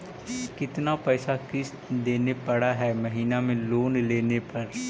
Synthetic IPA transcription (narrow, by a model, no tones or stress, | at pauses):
kɪt̪napɛːsakɪs | d̪eːnepɐɽaɦɛːmɐɦiːnamẽloːnleːnepɐɾ